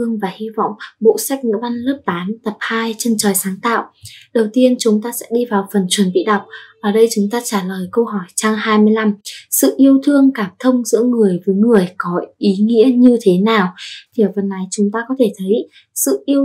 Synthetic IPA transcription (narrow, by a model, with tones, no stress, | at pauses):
ɨ˧əŋvaː˨˩hi˧vɔ̰˧˨wŋ͡mɓo̰˧˨sa˦˥k̟̚ɲɨ̰˧˥va˧nlɨ˦˥p̚t̪aː˨˦mt̪ə˨˩p̚haː˧jt͡ɕə˧nt͡ɕəː˨˩jsaː˨˦ŋt̪a̰ː˧˨wʔɗə˨˩wt̪i˧ənt͡ɕʊ˨˦ŋ͡mt̪aː˧sɛ̰˧˥ɗi˧vaː˨˩wfə˨˩nt͡ɕwə˨˩nɓḭ˧˨ɗa˨˩wk͡p̚ʔaː˨˩ɗə˧jt͡ɕʊ˨˦ŋ͡mt̪aː˧t͡ɕaː˧˩ləː˨˩jkə˧wɦɔ˧˩jt͡ɕa˧ŋhaː˧jmɨ˧əjla˧msɨ̰˧˨ʔi˧əwt̪ʰɨ˧əŋkaː˧˩mt̪ʰə˧wŋ͡mzɨ̰˧˥əŋɨ˨˩əjvəː˨˦jŋɨ˨˩əjkɔ˨˦ʔi˨˦ŋḭ˧˥əɲɨ˧t̪ʰe˨˦naː˨˩wt̪ʰi˨˩ʔə˨˩və˨˩nːʔa˨˦jt͡ɕʊ˨˦ŋ͡mt̪aː˧kɔ˨˦t̪ʰe˧˩t̪ʰə˨˦j | sɨ̰˧˨ʔi˧əw